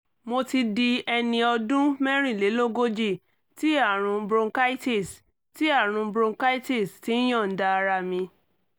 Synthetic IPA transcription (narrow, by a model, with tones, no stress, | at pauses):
mo˧ti˧di˧ɛ˧nĩ˧ɔ˧dũ˦mɛ˦ɾ̃ĩ˦˨le˨˦lo˦ɡo˦d͡ʒi˦˨ | ti˦a˦˨ɾ̃ũ˧bɾõ˧ŋka˦i˦ti˦˨s | ti˦a˦˨ɾ̃ũ˧bɾõ˧ŋka˦i˦ti˦˨sti˨˦j̃ɔ̃˦˨n̩˨˦da˧ɾa˧mĩ˧